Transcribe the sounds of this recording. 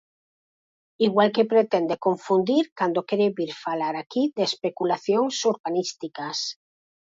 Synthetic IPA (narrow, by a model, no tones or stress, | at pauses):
iɣwalkepɾet̪end̪ekoɱfund̪iɾkand̪okeɾeβiɾfalaɾakiðespekulaθjoŋsuɾβanist̪ikas